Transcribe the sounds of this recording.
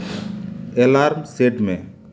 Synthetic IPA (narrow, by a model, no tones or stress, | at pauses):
ɛlaɾmseʈmɛ